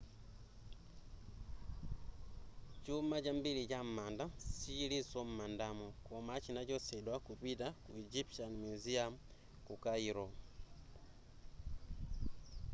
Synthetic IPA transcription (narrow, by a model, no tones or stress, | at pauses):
t͡ʃumat͡ʃambiliɟammandasiilisɔm̩mandamukomat͡ʃinaɟɔsɛdwakuβidakuid͡ʒipʃanmuziam | kukaiɾɔ